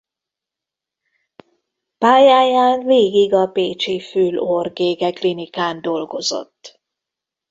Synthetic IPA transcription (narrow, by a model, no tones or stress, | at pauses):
paːjaːjaːnveːɡiɡɒpeːt͡ʃifylorɡeːɡɛklinikaːnd̪o̞lɡo̞zo̞̰t̪ː